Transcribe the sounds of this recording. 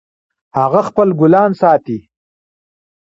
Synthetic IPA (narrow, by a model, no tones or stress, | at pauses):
haɣaxpəlɡʊlɑːnsɑːt̪i